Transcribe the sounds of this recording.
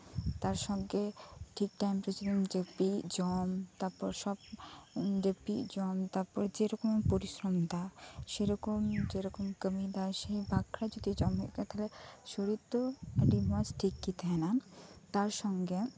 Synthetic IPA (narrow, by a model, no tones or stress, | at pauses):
t̪aɾʃɔŋɡeʈʰik̚ʈajmpɾesid̪id͡ʑepid͡ʑɔmt̪aɾpɔɾʃɔb | d͡ʑepːḭd͡ʑɔmt̪aɾpɔɾd͡ʑeɾɔkompoɾiʃɾomd̪aʃeɾɔkomd͡ʑeɾɔkomkəmid̪aʃejbakɾad͡ʑod̪id͡ʑɔmikat̪ʰaleʃoɾit̪ːoaɖimasʈʰikːit̪enat̪aɾʃɔŋɡe